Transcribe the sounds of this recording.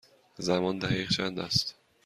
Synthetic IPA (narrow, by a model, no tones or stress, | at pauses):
zæmɒnd̪æʁiːʁt͡ʃʰænd̪æst̪